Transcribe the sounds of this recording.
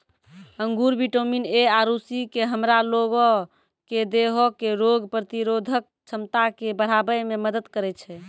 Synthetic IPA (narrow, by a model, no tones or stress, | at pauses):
əŋɡuɾbiʈomineaɾusikeɦəmɾaloɡɔ | ked̪eɦɔkeɾoɡpɾət̪iɾod̪ʱək̚t͡ʃʰəmt̪akebəɽ̤abəmeməd̪əd̪kəɾɛt͡ʃʰɛ